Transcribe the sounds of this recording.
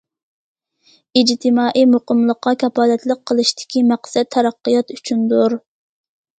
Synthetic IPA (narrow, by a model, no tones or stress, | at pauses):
id͡ʒt̪ʰɨmɑːʔijmoqəmlˠəqːɑkʰʲɑpɑːlɛt̪lˠəq̚qʰːəlˠɨʃt̪ʰɪ̥kʲimæqsɛt̪t̪ʰːɛɾɑqːəjɑt̪yt͡ʃʰynd̪uɾ